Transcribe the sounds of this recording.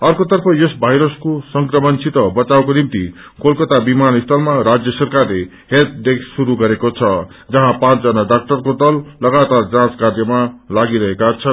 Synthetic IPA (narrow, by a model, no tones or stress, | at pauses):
ʌrkot̪ʌrpʰʌjosbʱajɾʌskosʌŋkrʌmʌnsʰit̪ʌbʌt͡sawkonimt̪i | kolkʌt̪abimanist̪ʰʌlmaɾad͡zjʌsʌrkarle | het̪̚ɖeksːuɾuɡʌɾekot͡sʰʌ | d͡zʌɦãpãt͡sd͡zʌnaɖak̚ʈʌrkod̪ʌlːʌɡat̪ard͡zãt͡skard͡zjʌmalaɡiɾʌɦekat͡sʰʌ